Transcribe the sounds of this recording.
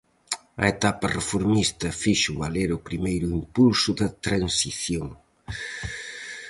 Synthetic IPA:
ɐ̰et̪apɐrefoɾmist̪ɐfiʃʊβaleɾʊpɾimejɾʊimpulsʊðɐt̪ɾansiθjoŋ

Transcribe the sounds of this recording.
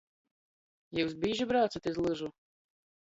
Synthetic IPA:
jɛwzbʲiːʒʲibɾɑːt̪sɐt̪ʲɪzlˠɨʒu

